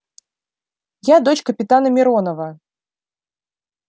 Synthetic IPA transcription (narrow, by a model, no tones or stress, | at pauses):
jad̪ɔt͡ɕkɐpʲit̪anɐmʲiɾɔnɐvɐ